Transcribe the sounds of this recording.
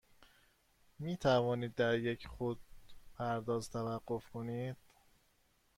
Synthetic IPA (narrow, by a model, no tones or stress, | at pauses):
miːt̪ʰævɒːniːd̪̚ːæɾjecʰxod̪̚pʰæɾd̪ɒːzt̪ʰævæɢːofkʰonid̪̥